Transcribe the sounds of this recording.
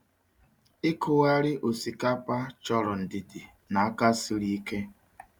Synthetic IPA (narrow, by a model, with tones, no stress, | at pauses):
ɪ˦kʰʊ˨wa˦ɾɪ˦ʔo˨si˨ka˦pa˦t͡ʃɔ˦ɾɔ˨n̩˨dɪ˨dɪ˨ | na˨a˦ka˦si˦ɾi˦ke˦